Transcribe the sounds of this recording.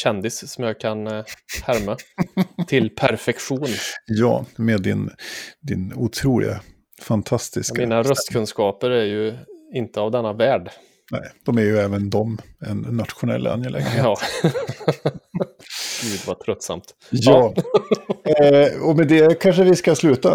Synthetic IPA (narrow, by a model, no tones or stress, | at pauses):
ɕɛnd̪ɪssɔmjaːkʰanhæɾmat̪ʰɪlpʰæɾfɛkɧuːnjɑ̰ːmed̪ːɪ̰nd̪ɪ̰nut̪ʰɾuːlɪ̰ɡa̰ | fant̪ʰast̪ɪskmaiːnaɾœst̪kʰɵnskɑːpəɾæɾjɵɪnt̪əavd̪ɛnːavæːɖ | nɛ̰ɪd̪̥ɔmæɾjɵɛːvənd̪ɔmɛnːat̪ɧʊnɛ̰lːa̰njɛlʔɛ̰ŋnɪɑː | ɡ̥ʉ̟ːd̪vat̪ʰɾœt̪ːsa̰mt̪ | jɑː | ɔmɛd̪ɛkʰanʂəvɪskaslʉ̟ːt̪a